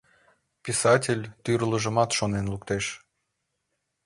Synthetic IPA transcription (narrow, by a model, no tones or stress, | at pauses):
pʲisɑtʲelʲt̪yrləʒəmɑt̪ʃonenlukt̪eʃ